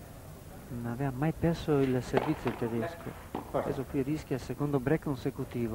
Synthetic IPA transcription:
nonavɛvamajpɛrsoilservit̪sjot̪ed̪eskʰo̰ | ɛ̰sokːwirisk̟jalsekond̪obɾɛkːonsekut̪iːvo

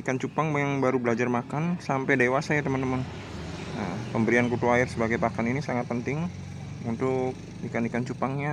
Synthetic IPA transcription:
ikant͡ʃupaŋbajaŋbaɾubəlad͡ʒarmakansampajdewasajat̪əmənt̪əmən | ə̰pəmbəɾiankut̪uaɪrsəbaɡajpakaninisaŋat̪̚pənt̪ɪŋ | unt̪ʊk̚ | dikandikant͡ʃupaŋɲa

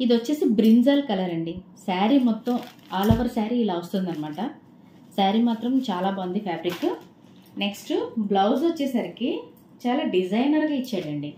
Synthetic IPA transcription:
id̪iʋɐt͡ʃːe̞ːsibɾinzaːlkɐlaːɾɐɳɖisaːɾimɔt̪ːɐm | aːlɔʋɐɾsaːɾiːlaːʋɐst̪und̪ɐnɐmaːʈɐ | saːɾimaːt̪ɾɐmt͡ʃaːlaːbɐnd̪ipʰjaːbɾikː | ne̞ksʈublɐws̬ʋɐt͡ʃːɛːsaːɾiki | t͡ʃaːlaːɖid͡ʒɐjnɐɾɡaːit͡ʃːaːɽɐɳɖi

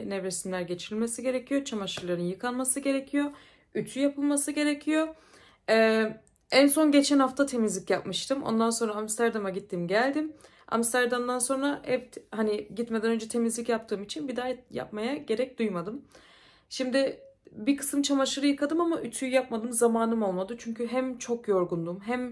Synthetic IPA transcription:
nɛvɾesimlʲæɾɟe̞t͡ʃʰiɾilʲme̞siɟe̞ɾecʰijo̞t͡ʃʰamaʃɯɾlˠaɾɯnjɯkʰanmasɯɟe̞ɾecʰijo̞ | yt͡ʃ̪ʰyjapʰɯlˠmasɯɟe̞ɾecʰijo̞ | ɛː | ænso̞nɟe̞t͡ʃʰænhaft̪ʰat̪ʰe̞mizlʲicjapmɯʃt̪ʰɯmʔo̰nd̪anso̞nɾaamst̪ʰæɾd̪amaɟit̪ʰːimɟælʲd̪im | a̰mst̪ʰæɾd̪amd̪anso̞nɾaʔɛvt̪haniɟit̪me̞d̪ænø̞nd͡ʒɛt̪ʰe̞mizlʲicjap̚t̪ʰɯːmit͡ʃʰinbid̪aja̰p̚majaɟe̞ɾɛc̚d̪ujmad̪ɯm | ʃimd̪ɪbikʰɯ̥sɯmt͡ʃʰamaʃɯɾɯjɯkʰad̪ɯmamaʔyt͡ʃ̪ʰyjjap̚mad̪ɯmzamaːnɯmo̞lˠmad̪ɯt͡ʃʰyɲcʰyɦæmt͡ʃʰo̞kjo̞ɾɡund̪umɦæm

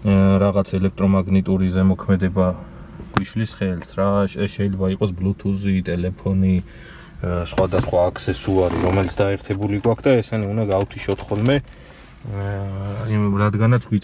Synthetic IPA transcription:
ɾaʁat̪sʰɛlɛk̚ʰt̪ʼɾɔmaɡnit̪ʼuɾizɛmɔkʰmɛd̪ɛba | ɡ̥wiʃlisχɛlsɾaʃʃɛilɛbaiqʼɔsblut̪ʰuzit̪ʼɛlɛpʰɔni | sχwad̪asχwaːkʰsɛsuaɾḭɾɔmɛlit̪sʰd̪aɛɾt̪ʰɛbuliɡwakʰd̪aɛsaniund̪aɡaut̪ʰiʃɔt̪ʰχɔlmɛ | ɾad̪ɡanat̪sʰɡwi

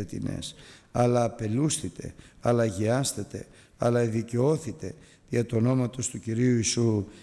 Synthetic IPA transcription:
et̪ḭnḛsɐlɐːpe̞lusθit̪e̞̰ɐlɐʝiɐst̪et̪e̞̰ | ɐ̰lɐeðice̞o̞θit̪e̞ | ʝɐt̪uono̞mɐt̪o̞st̪uciɾiuisu

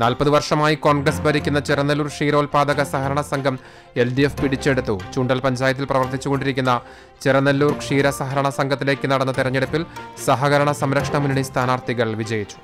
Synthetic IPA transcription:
naːlpɐðɨʋɐrʂɐmaːjiko̞ːɳɡrɐsbɐɾikʲːunːɐt͡ɕeɾɐnːɐlːuːrkʂiːɾo̞ːlpaːd̪ɐɣɐsɐɦɐɾɐɳɐsɐŋɡʱɐm | e̞lɖijefpiɽit͡ɕːe̞ɽut̪ːut͡ɕuːɳɖɐlpɐɲd͡ʑaːjɐt̪ːilprɐʋɐrt̪it͡ɕːuɣo̞ɳɖiɾikʲːunːɐ | t͡ɕeɾɐnːɐlːuːrkʂiːɾɐsɐɦɐɾɐɳɐsɐŋɡʱɐt̪ːile̞ːkːɨnɐɽɐnːɐt̪iɾɐɲːiɽɐpːilsɐɦɐɣɐɾɐɳɐsɐmɾɐkʂɐɳɐmunːiɳist̪ʰaːnaːrt̪ʰiɣɐɭʋid͡ʑɐjit͡ɕːu̥

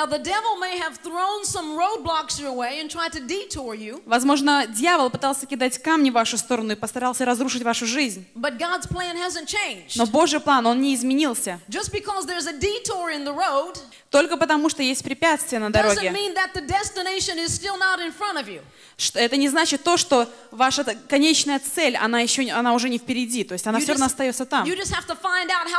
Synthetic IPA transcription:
aʊðɨdɛvl̩ˠmeɪɨv̥θɹõʊ̃nsʌ̃mɹoʊd̚blɑksjə˞əweɪɨ̃ntʰɹ̥aɪd̚tɨditʰɔɹjʉvɐzmo̞ʐnədʲjavəlˠpɨt̪alˠsʲəkʲɪd̪atʲkamnʲɪvaʂʊst̪o̞ɾənʊɪpəst̪ɐɾalˠsʲəɾɐzɾuʂɨtʲvaʂʊʐɨzʲnʲbʌt̚ɡ̥ɑdz̥pl̥æ̃nhæzɨ̃nt͡ʃʰẽɪ̃nd͡ʒno̞bo̞ʐɨjplˠano̞nnʲɪɪzmʲɪnʲilˠsʲəd͡ʒʌsb̥ɨkʰɔzðə˞zɨditʰɔɹɪ̃nðəɹoʊd | t̪o̞lʲkəpət̪ɐmuʂt̪ojesʲt̚ʲpɾʲɪpʲat̪st̪vɪjənəd̪ɐɾoɡʲɪmĩnðɨt̪̚ðɨdɛstɨneɪʃɨ̃nɪz̥stɪlˠnəɾɨ̃nfɹʌ̃ɾ̃ʌvjʉ̰ | ʂt̪ɛt̪ənʲɪznat͡ɕɪt̪ːo̞ʂt̪o̞ | vaʂəkɐnʲet͡ɕnəjət̪sɛlʲɐ̰najɪɕːoɐnaʊʐɛnʲɪfpʲɪɾʲɪdʲit̪o̞jɪsʲtʲɐnafsoɐvnoɐst̪ɐjo̞t̪sːət̪amjɨd͡ʒʌst̚hæftəfãɪ̃ndaʊt̚ha

